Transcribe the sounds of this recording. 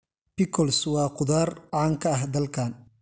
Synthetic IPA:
pɪkʰɔlswɑːqʊðaːrʕaːŋkʰɐɐɦd̪ɐlkʰaːn

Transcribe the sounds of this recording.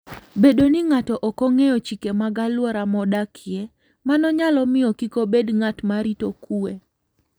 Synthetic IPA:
bedonɪŋatɔʔɔkɔŋejɔt͡ʃikemaɡalwɔɾamɔdakʰɪe | manɔɲalɔmɪɔkikobedŋatmaɾitokue

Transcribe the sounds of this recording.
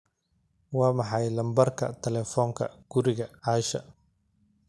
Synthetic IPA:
wɑːmɑħɑjlɐmbɐrkʰɐ̰t̪ʰɛlɛːfɔːŋkʰɐ̰ɡ̥ʊɾɪɣɐʕɑːʃɐ̰

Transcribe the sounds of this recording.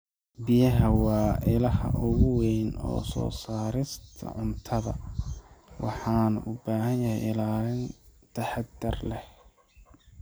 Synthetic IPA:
bɪjɐɦɐwɑːʔɪlɐhɐ̰ʔʊɣʊwɛjnɔ̰ːsɔ̰ːsaːɾɪst̪ʰɐ̰ʕʊnt̪ʰɐðɐ̰ | wɑħɑːnʔʊbaːɦɐnjɐhɛjɪlaːlɪnt̪ʰɐħɑd̪ɐrlɛh

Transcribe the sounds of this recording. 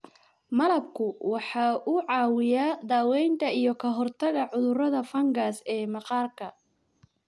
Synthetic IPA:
mɐlɐb̚kʰʊwɑħɑːʔʊʕɑːwɪjaːd̪aːwɛjnt̪ʰɐijɞkʰɐɦɔrt̪ʰɐɣɐʕʊðʊrɐðɐfɐŋɡaːsɛːmɑqɑːrkʰɐ

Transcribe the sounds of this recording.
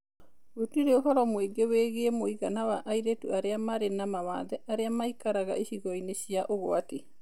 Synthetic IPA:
otiɾeoɦɔɾɔmweɡeweɣemoiɣanawaʔaiɾetuaɾeamaɾenamawa̰ðɛʔaɾeamaikaɾaɣa̰ʔiʃiɣɔineʃiaʔoɣoate

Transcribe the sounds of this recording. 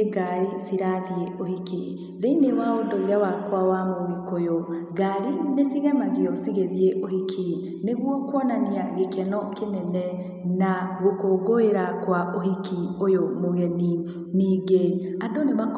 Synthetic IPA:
ɡaɾisiɾaðieʔohiki | ðeinewaodɔiɾawakwawamoɣekojɔɡaɾinesiɣɛmaɣiɔsiɣeðieʔohikʰi | neɣwɔkwɔnaniaɣekʰɛnɔkenɛnɛ | naɣokoːɡoeɾakwaʔoɦikiojomoɣɛni | niːɡeandonemak

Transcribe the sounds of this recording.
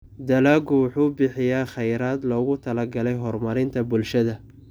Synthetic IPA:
d̪ɐlaːɡʊwʊħuːbɪħɪjaːχɛjɾaːd̪lɔːɣʊt̪ʰɐlɐɡɐlɛjɦɔrmɐɾɪnt̪ʰɐbʊlʃɐðɐ

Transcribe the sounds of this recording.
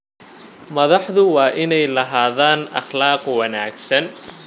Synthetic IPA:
mɐðɑħðʊwɑːʔɪnɛjlɐɦaːðaːnʔɑ̰χlɑːqwɑnaːɡsɐn

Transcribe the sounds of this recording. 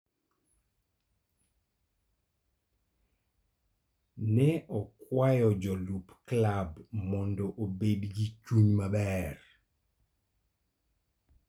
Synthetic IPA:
nɛʔɔkwajɔd͡ʒɔlupklabmɔndɔʔobedɡit͡ʃuɲmabɛr

